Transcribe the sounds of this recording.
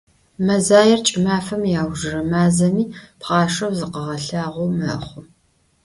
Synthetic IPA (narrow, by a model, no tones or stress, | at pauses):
mɐzaːjɪrt͡ʃʼɪmaːfɐmjaːwʒɨrɐmaːzɐmiːpʰχɑːʂɐwzɨqɐʁɐɬaːʁʷʊmɐχʷʊ